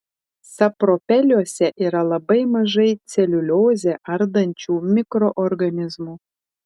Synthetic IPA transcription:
sɑpropʲelʲosʲɛʔiɾɑlˠɑbəjməʒejt͡sʲelʲulʲozʲeʔɑrd̪ənʲt͡ɕumʲikroʔorɡanʲizmu

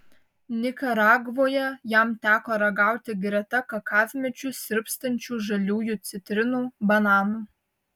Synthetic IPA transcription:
nʲɪkɐɾɑːɡʋoːjɛjæmt̪ʲæːkoːɾɐɡɑˑʊt̪ʲɪɡɾʲɛt̪ɐkɐkɑːʋʲmʲɛt͡ʃʲʊsʲɪɾʲpst̪ɐnʲt͡ʃʲuːʒɐlʲuːjuːt̪sʲɪt̪ʲɾʲɪnuːbɐnɑːnuː

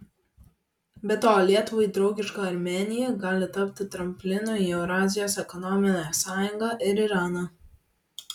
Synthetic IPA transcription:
bʲɛt̪oːlʲiɛt̪ʊʋɐɪd̪ɾɒʊɡʲɪʃkɑːɐɾʲmʲɛːnʲɪjɛɡɑːlʲɪt̪ɐpʲt̪ʲɪt̪ɾɐmʲpʲlʲɪnoːɛʊɾɑːzʲɪjoːsɛkɔnɔmʲɪnʲosɑːjʊŋɡɑʔɪɾɪɾɑːnɑ

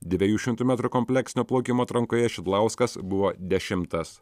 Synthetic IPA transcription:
d̪ʲʋʲɛjuːʃʲɪmt̪uːmʲæːt̪ɾukɔmʲpʲlʲɛksʲɪnʲoːplˠɒʊkʲɪmoːt̪ɾɐŋkoːjɛʃʲɪd̪lˠɐˑʊskɐsbʊʋoːd̪ʲɛʃʲɪmt̪ɐs

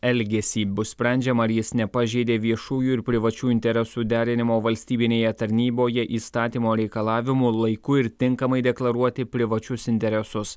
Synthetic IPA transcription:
ɛlʲɡʲɛsʲiːbʊssʲpʲɾʲɛˑnʲd͡ʒʲɛmɐɾjɪsnʲɛpɐʒʲeɪd̪ʲeːʋʲiɛʃuːjuːɪɾpʲɾʲɪʋɐt͡ʃʲuːɪnʲt̪ʲɛɾʲɛsuːd̪ʲæːɾʲɪnʲɪmoːʋɐlʲsʲt̪ʲiːbʲɪnʲeːjɛt̪ɐɾʲnʲiːboːjɛʔiːst̪ɑːt̪ʲiːmoːɾʲɛɪkɐlˠɑːʋʲɪmuːlˠɐɪkʊɪɾt̪ʲɪŋkɐmɐɪd̪ʲɛklˠɐɾuɔt̪ʲɪpʲɾʲɪʋɐt͡ʃʲʊsɪnʲt̪ʲɛɾʲɛsʊs

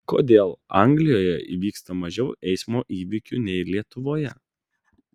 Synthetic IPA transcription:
ko̰ːd̪ʲeːlˠɑ̰ŋʲɡlʲɪjoːjɛḭʋʲiːkst̪ɐmɐʒʲɛʊʔɛɪsmoːʔiːʋʲɪkʲunʲɛɪlʲiɛt̪ʊʋoːjɛ

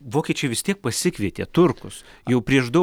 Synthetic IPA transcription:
ʋoːkʲiɛt͡ʃʲɛɪʋʲɪst̪ʲiɛk̚pɐsʲɪkʋʲiɛt̪ʲḛːt̪ʊrkʊsjɛʊpʲɾʲiɛʃd̪ɐ

